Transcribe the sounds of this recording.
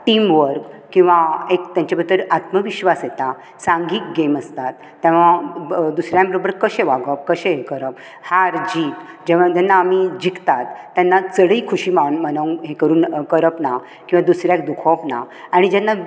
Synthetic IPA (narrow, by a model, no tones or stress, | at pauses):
ʈimʋəɾkkĩw̃ʋaekt̪jãɲt͡ɕabʱət̪ːəɾat̪məʋiɕʋasjet̪a | sãŋɡiːk̚ɡeməst̪at̪ːɛ̃ʋad̪usɾjãbəɾobəɾkəɕẽʋaɡəp̚kəɕeɦekəɾəp̚ | haɾd͡ʑiːt̪ | d͡ʑɛʋat̪jɛnːaːmid͡ʑikt̪at̪ːjanːat͡səɽəikʰuɕimanmənəŋɦekəɾuːnkəɾəpna | kĩw̃ʋad̪usɾjak̚d̪ukʰɔpna̰ | aɽ̃id͡ʑɛnːa